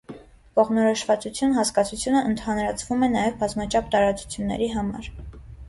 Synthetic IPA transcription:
kɔʁnɔɾɔʃvɑt͡sut͡sʰjunɦɑskɑt͡sʰut͡sʰjunəʔənt̪ʰɑnɾɑt͡sʰvumɛnɑjɛvbɑzmɑt͡ʃʰɑp̚ʰt̪ɑɾɑt͡su̥t͡sʰjunːɛ̰ɾiɦɑmɑ̰ɾ

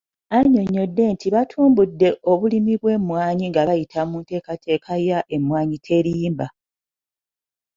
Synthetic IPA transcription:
aɲo̞ɲːo̞dːe̞ːntʰiβatʰuːmbudːe̞ʔo̞βulimiβwe̞ːmwaːɲiŋɡaβajitʰamunte̞ːkate̞ːkʰajaʔe̞mwaːɲitʰe̞ɾiːmba

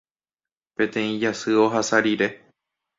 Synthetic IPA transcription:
pẽ̞t̪ẽ̞ĩd͡ʒasɨo̞ɦasaɾiɾe̞

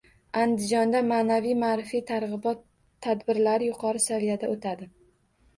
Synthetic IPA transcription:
and̪ɪd͡ʒɒnd̪amaːnavijmaːɾɪfijt̪ʰaɾʁɨbɒt̪ʰː | ad̪bɪɾlaɾɪjʊqʰɒɾɪsavijad̪aot̪ʰad̪ɪ

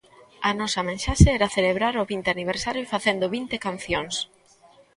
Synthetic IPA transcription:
ɐnɔsɐmẽnʃaʃeɛɾaθeleβɾaɾʊβint̪eaniβ̞eɾsaɾjʊfaθend̪ʊβint̪ekanθjoŋs

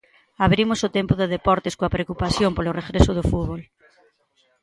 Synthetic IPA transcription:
aβ̞ɾimosot̪empoðeðepɔɾt̪eskoapɾeokupaθjompoloreɣɾesoð̞ofuðβ̞ol

